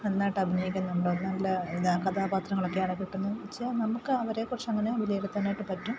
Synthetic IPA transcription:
enːaːjʈːɨɐbʱinɐjikʲːunːɐuɳɖoonːɐlːɐiðakɐd̪ʱaːbaːt̪rɐŋːɐɭokːejaːɳɨkiʈːunːuʋit͡ɕːɐnɐmukːɨɐʋɐɾe̞ːkurɐt͡ɕːɐŋːɐneʋilɐjeɽut̪ːɐnːaːjʈːɨpɐtːum

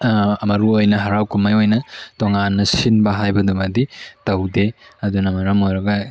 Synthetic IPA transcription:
ɐmɐɾuojnɐɦɐɾawkumajojnɐtoŋanːɐsinbɐɦajbɐdumɐditɐwdeɐdunɐmɐɾɐmojɾɐɡɐ

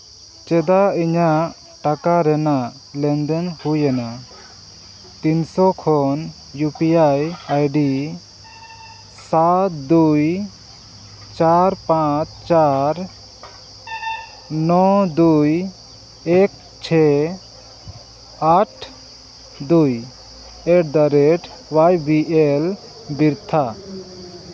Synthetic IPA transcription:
t͡ʃɛd̪aiɲaʔ | ʈakaɾɛnaʔ | lɛnd̪ɛnhujɛna | t̪insɔkʰɔn | jupiajajɖi | sat̪̚d̪uj | t͡ʃaɾpãt͡ʃʰt͡ʃaɾ | nɔd̪uj | ɛk̚ | t͡ʃʰɛ | aʈʰ | d̪uj | ɛʈ̚d̪aɾɛʈʰ | wajbiʔel | biɾt̪ʰa

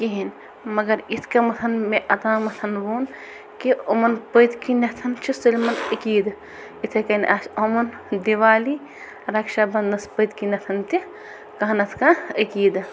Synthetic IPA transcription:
kiɦin | mɐɡɐɾit̪ʰkɐmɐt̪ʰɐnmẽʔɐt̪aːmɐt̪ʰɐnʋuːn | kiomɐnpəjt̪kinɐt̪ʰɐnt͡ʃʰisilmɐnikiːd̪ | it̪ʰekɐnʔasomɐn | d̪iʋaːli | ɾɐkʃabɐnd̪ɐspət̪kinɐt̪ʰɐnt̪i | kɐɦɐnɐt̪ʰkãəkiːd̪

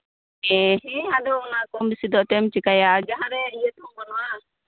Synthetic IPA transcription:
ɛɦɛ̃ad̪ɔːnakɔmbisid̪ɔʔt̪ɛmt͡ʃikajad͡ʒaɦãɾɛijət̪ɔmbɔnɔwa

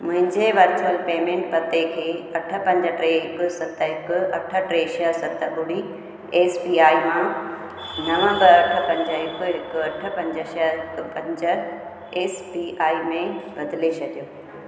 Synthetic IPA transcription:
mʊ̃ɦɪ̃ɲd͡ʑeʋɐɾt̪ʰəlpeːmẽːɳʈpɐt̪ekʰeːɐʈʰə̆pɐ̃ɲd͡ʑəʈɾeːɦɪkʊ̆sɐt̪əɦɪkʊ̆ɐʈʰə̆ʈɾeːʃəɦsɐt̪əɓʊɽi | eːspiaːimã | nɐʋə̃mbəɐʈʰə̆pɐ̃ɲd͡ʑəɦɪkʊɦɪkʊɐʈʰə̆pɐ̃ɲd͡ʑəʃəɪkpɐ̃ɲd͡ʑə | eːspiːaːimẽbɐd̪ɪlet͡ɕʰɐɗijoː

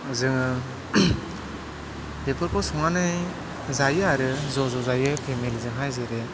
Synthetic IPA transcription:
zɯŋɯ | bepʰɯɾpʰɔsɔŋanɯj | zajɯaɾɯzɔzɔzajɯpʰemelzɯŋɦajzɯɾe

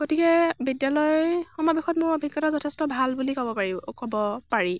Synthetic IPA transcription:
ɡ̥otikɛbidjalɔjxɔmɔbixɔtmʊɹɔbʱikːɔtazɔtʰɛstɔbʱalbulikɔbɔpaɹikɔbɔpaɹi

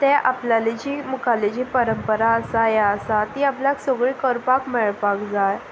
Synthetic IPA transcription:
t̪ɛʔaplaled͡ʑiːmukʰaled͡ʑiːpəɾəmpəɾaəsajaəsat̪iapljaksoɡɭiːkəɾpakmɛɭpakd͡zaj

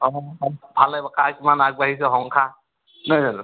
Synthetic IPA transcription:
ɔbʰʱalajbakakimanaɡ̚baɦisɛɦɔŋkʰa | nazan

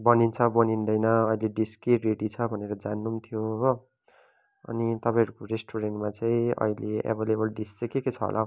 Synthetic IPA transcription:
bʌnint͡sʰʌbʌnind̪ʌjnʌːileɖiskireɽit͡sʰʌbʱʌneɾʌd͡zanːumt̪ʰjo | ʌ̰nit̪ʌpãĩʌɾukoɾesʈoɾeɳʈmat͡saĩʌ̰ileḛbʱelebʌlɖist͡sʌkeket͡sʰʌ̰ɦo̰lʔa

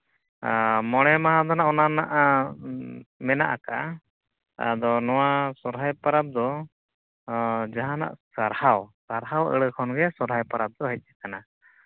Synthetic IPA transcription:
mɔɽ̃ɛmaɦad̪ɔnaʔɔnanaʔa | mɛna̰ʔakaʔa̰ | a̰d̪ɔnɔwasɔɾɦajpaɾap̚d̪ɔ | d͡ʒaɦana̰ʔsaɾhawsaɾɦawə̰ɽəkʰɔnɡɛsɔɾʱajpaɾap̚d̪ɔɦəc̪̚ˀːakana

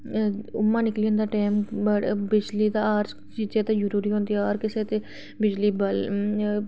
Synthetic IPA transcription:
ʊ̰mːãːnɪkliːə̃nd̪aːʈaːmbəɽbɪd͡ʒliːt̪aaːɾ | t͡ʃiːd͡ʒẽːt̪eːd͡ʒəɾuːɾiːɦõːnd̪ioːɾkɪseːt̪eː | bɪd͡ʒliːbəl

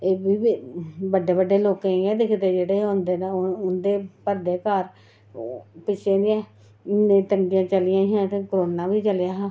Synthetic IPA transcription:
eːbiːbiːbəɖːeːbəɖːeːloːkãːɛ̃ːd̪ɪkʰd̪eːd͡ʒeːɽeːɦõːnd̪eːneʊnd̪eːpəɾd̪eːkaːɾ | pɪt͡ʃʰeːniɛ̃ː | ɪnːẽːt̪əŋɡijãːt͡ʃəlɪjãːjãːt̪eːkoɾoːnaːʋiːt͡ʃəljaːɦː

